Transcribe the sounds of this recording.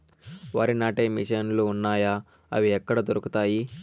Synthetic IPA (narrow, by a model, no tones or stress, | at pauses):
ʋaːɾinaːʈeːmḭʂɐnluːnːaːjaː | ɐ̰ʋiɛkːɐɽɐd̪oɾukut̪aːji